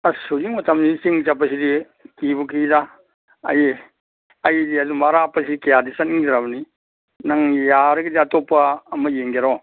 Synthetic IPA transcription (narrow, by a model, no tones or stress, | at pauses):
ɐsud͡ʒiŋmɐtʰɐmnisiŋt͡ʃapːɐsidi | kibukida | ɐ̰ji | ɐjdiɐdumaɾapːɐsidikejadisɐniŋdɾaβɐni | naŋjaɾɐɡidiɐtopːɐːmɐjeŋeɾɔ